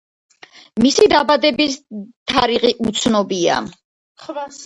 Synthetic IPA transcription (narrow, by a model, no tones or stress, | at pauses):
misid̪abad̪ɛbist̪ʰaɾiʁiʔut̪sʰnɔbia̰